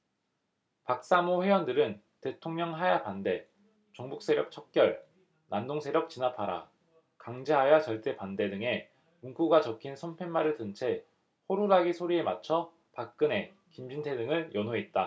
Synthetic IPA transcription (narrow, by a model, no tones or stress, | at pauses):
pak̚s͈amoɸwe̞jʌndɯɾɯn | te̞tʰoŋɲʌŋɦajapande̞ | t͡ɕʌŋbuk̚s͈e̞ɾjʌk̚t͡ɕʰʌk̚k͈jʌɭ | nandoŋsʰeɾjʌk̚t͡ɕinapʰaɾa̰ | kaŋd͡ʑeɦajat͡ɕʌɭt͈e̞pande̞dɯŋe̞ | muŋk͈ʰuɡat͡ɕʌkʰinsʰʌmpʰe̞nmaɾɯɭtɯnt͡ɕʰe̞ | hoɾuɾaɡisʰoɾie̞mat͡ɕʰʌ | pak̚k͈ɯne̞ | kimd͡ʑintʰe̞dɯŋɯɭjʔʌnoɦet̚t͈a